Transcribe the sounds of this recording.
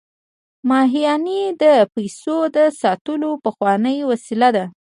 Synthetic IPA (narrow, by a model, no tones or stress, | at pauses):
mɑɦijɑnid̪əpajsod̪əsɑt̪əlopəxwɑnəjwasilad̪a